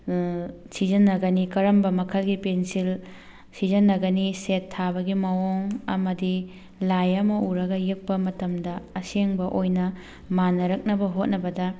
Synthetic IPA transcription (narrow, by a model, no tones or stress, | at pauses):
sid͡ʒɐnːɐɡɐnikɐɾɐmbɐmɐkʰɐlɡipensil | sid͡ʒɐnːɐɡɐnisetʰːabɐɡimɐwoŋɐ̰mɐdi | lajɐmɐuɾɐɡɐjek̚pɐmɐtɐmdɐɐseŋbɐʔojnɐ | manːɐɾɐk̚nɐbɐɦot̚nɐbɐdɐ